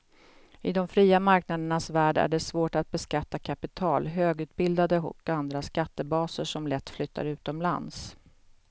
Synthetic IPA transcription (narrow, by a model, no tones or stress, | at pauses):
ɪd̪ɔmfɾiːamaɾknad̪əɳasvæːɖæ̰ɖɛsvoːʈat̪̚bɛskat̪ːakʰapɪt̪ʰɑːlɦøːɡʉ̟t̪̚bɪld̪ad̪əɦɔ̰kːand̪ɾaskat̪ːəbɑːsəʂɔmlɛt̪ːflʏt̪ːa̰ɾʉ̟ːt̪ɔmla̰ns